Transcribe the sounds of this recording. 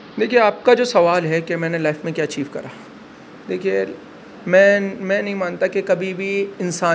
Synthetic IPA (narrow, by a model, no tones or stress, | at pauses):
d̪eːkʰieaːp̚kad͡ʒoːsɐʋaːlɦɛkemɛ̃ːnelaːɪfmẽkjaːɐt͡ʃiːʋkɐ̰ɾaː | d̪eːkʰie | mɛ̃ːmɛ̃ːnɐɦĩmãːnt̪akekɐbʱibʱiɪnsaː